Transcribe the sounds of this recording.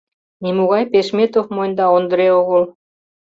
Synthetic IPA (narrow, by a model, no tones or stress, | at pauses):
nimuɣɑjpeʃmet̪ofmojnʲd̪ɑond̪ə̆ɾeoɣol